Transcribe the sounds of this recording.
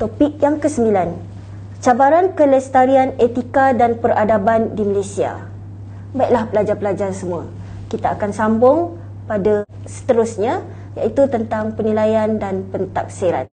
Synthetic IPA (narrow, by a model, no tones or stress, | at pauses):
t̪opik̚jaŋkəsəmbilan | t͡ʃabaɾankələst̪aɾianet̪ikadanpəradabandiməlasia̰ | baiʔlahpəlad͡ʒarpəlad͡ʒarsəmũa | kit̪aːkansambʊŋ | pada | sə̥t̪əɾʊsɲa | ja̰it̪ut̪ənt̪aŋpənilajandanpənt̪a̰k̚seɾa̰n